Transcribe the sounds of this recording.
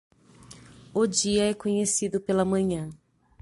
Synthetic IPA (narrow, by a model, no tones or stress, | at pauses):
ʊd͡ʒiɐɛkõɲesid̪ʊpelɐmɐ̃ɲɐ̃